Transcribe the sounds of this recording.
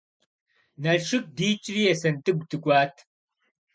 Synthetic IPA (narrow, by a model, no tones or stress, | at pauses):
nɐlʂɨk̚diːt͡ʃʼriːɛsɐntʼɨɡ̚ʷtʰɨkʷʼaːtʰ